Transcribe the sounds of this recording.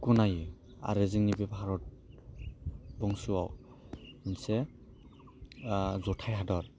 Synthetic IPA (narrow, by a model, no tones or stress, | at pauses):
kɔnaji | a̰ɾeziŋnibɛbɔɦaɹɔt̚ | bɔŋsuwaw | nsɛ | zɔtʰajɦadɔɹ